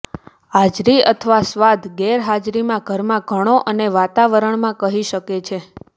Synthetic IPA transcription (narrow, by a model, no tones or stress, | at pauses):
ɦad͡ʒɾiət̪ʰəʋasʋad̪ʱɡɛɾɦad͡ʒɾimãɡʱəɾmãɡʱəɽ̃oʔəneʋat̪aʋəɾəɳmãkəɦiʃəket͡ʃʰe